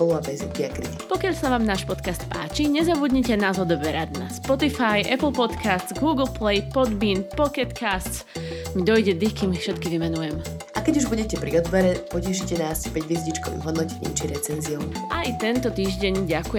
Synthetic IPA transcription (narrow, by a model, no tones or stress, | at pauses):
pɔluapɛzɛmkiakɾid̪ipɔkɪaʎsaʋaːmnaːʃpɔt̪kast̪pa̰ːt͡ʃiɲɛzabud̪ɲicɛnaːzɔd̪ɔbɛɾad̪naspɔt̪ifajʔɛpl̩pɔt̪kast͡sɡuːɡl̩ˠplɛjpɔd̪binpɔkɛt̪kast͡s | mid̪ɔjɟɛd̪ixkimifʃɛt̪kiʋimɛnujɛm | ʔakɛɟuʒbuɟɛcɛpɾḭɔt̪ʋɛɾɛpɔcɛʃicɛnaːspɛɟʋiɛzɟit͡ʃkɔʋḭɣɦɔd̪nɔcɛɛ̰mt͡ʃiɾɛt͡sɛnziɔʊʔajt̪ɛnt̪ɔt̪iːʒɟɛɲɟakujɛ